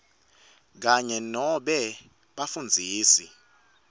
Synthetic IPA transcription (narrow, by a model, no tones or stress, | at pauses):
k̬aɲɛnɔɓɛ | ɓafund͡zʱiːsi